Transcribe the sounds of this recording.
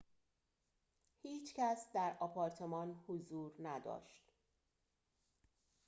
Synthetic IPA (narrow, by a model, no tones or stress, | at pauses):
hiːt͡ʃʰcæsd̪æɾɒpʰɒɾt̪ʰe̞mɒnhozuːɾnæd̪ɒ̰ːʃt̪